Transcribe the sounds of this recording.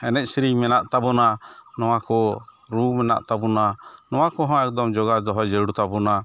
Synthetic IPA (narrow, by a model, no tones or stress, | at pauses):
ɛnɛc̚sɾiŋmɛnaʔt̪abɔnanɔw̃akɔ | ɾumɛna̰ʔt̪abɔnanɔw̃akɔɦɔ̃ɛk̚d̪ɔmd͡ʒɔɡad̪ɔɦɔjd͡ʒɛɽut̪abɔna